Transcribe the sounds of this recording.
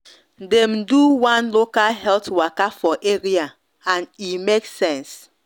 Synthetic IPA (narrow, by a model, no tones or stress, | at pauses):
dɛ̃mduwãnlokalɦɛltwakafɔʔeɹia | ãnimeksɛ̃ns